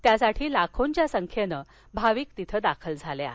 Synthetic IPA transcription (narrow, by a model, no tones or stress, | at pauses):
t̪jasaʈʰiːlakʰoɲt͡ɕjasəŋkʰjenə | bʱaʋiːk̚t̪it̪ʰəd̪akʰəld͡zʱalea̰